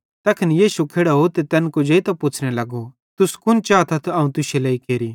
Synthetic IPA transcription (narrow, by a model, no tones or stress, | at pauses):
t̪ɐkʰɪnjiːsukʰeːɽaɦot̪et̪ɛnkod͡ʒeːit̪ɐpʊt͡ʃʰɽ̃ɛlɐɡo | t̪ʊskʊnt͡ʃaːt̪ʰɐt̪ʰɐũt̪ʊselɐːikeːɾiː